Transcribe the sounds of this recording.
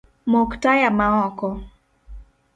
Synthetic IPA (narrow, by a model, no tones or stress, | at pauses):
mɔktajamaɔkɔ